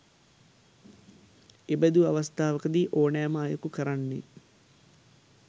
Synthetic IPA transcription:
ebəd̪uaʋɐst̪ʰaːʋɐkəd̪iːʔoːnæːməajɐkukəɾanːḛ

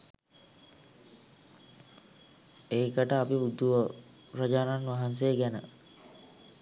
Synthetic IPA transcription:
eikəʈəapibud̪ːuʋə | ɾad͡ʒaːnanʋaɦans̬ejəɡænə̰

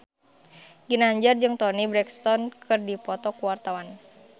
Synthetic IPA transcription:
ɡinaɲd͡ʒard͡ʒɨŋt̪ɔnibɾɛkst̪ɔnkʰɨrdipɔt̪ɔkuwart̪awan

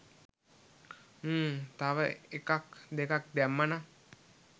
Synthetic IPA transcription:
əːt̪aʋəekakd̪ekak̚d̪æmːəna

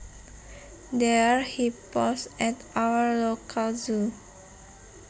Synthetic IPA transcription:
dɛɹhipɔsɛtawəɹlokʰalzu

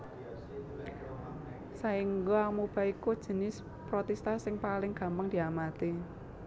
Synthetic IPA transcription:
saiŋɡoamub̥a̤ikud̥ʒ̥ə̤nɪs | pɾɔt̪ɛst̪asɪŋpalɪŋɡ̥a̤mpaŋd̪̥i̤amat̪i

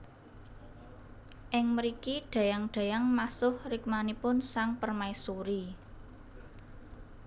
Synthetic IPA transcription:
ʔɪŋməɾikiɖ̥ä̤jaŋɖ̥ä̤jaŋmasʊhrɪk̚manipʊnsaŋpərmaisuɾi

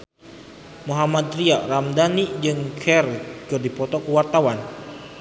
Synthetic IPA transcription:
moɦamat̪riaramdanid͡ʒɨŋkʰɛrkɨrdipɔt̪ɔkəwart̪awan

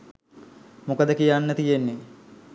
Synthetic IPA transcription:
mukəd̪əkijanːət̪ijenːe

